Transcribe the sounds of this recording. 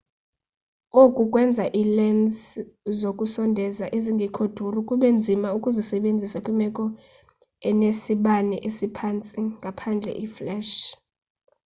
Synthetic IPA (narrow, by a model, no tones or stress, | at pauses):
okʼukʼwɛnd͡zʱaʔilɛnszokʼusɔndʱɛzaʔeziŋɡʱikʰod̥ʱurukʼuɓɛnd͡zʱimaukʼuzisɛɓend͡zʱisakʼimɛkʼɔ | ɛnesiɓanɛʔesipʰant͡sʼiŋɡʱapʰand͡ɮʱɛ̰ʔiflɛʃ